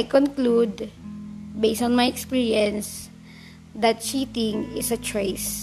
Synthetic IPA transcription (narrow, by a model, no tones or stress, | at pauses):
jkɔ̃nklud̪ | bejsɔ̃nmajɛkspiɹiɛ̃ns | d̪ɐt̪̚t͡ʃit̪ɪ̃ŋɪsɐt͡ʃɔjs